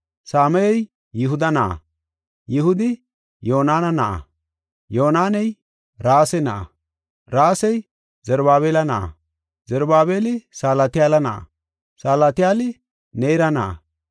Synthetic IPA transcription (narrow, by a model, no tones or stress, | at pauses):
saːmɛjɛj | jɪɦʊd̪ɐnɐʔɐ̰ | jɪɦʊd̪ɪ | jo̞ːnaːnɐnɐʔɐ̰ | joːnaːnɛj | ɾaːsɛnɐʔɐ̰ | ɾaːsɛj | zɛɾbaːβeːlɐnɐʔɐ̰ | zɛɾbaːbeːlɪsaːlɐt̪ɪjaːlɐnɐʔɐ̰ | saːlat̪ɪjaːlɪ | neːɾɐnɐʔɐ̰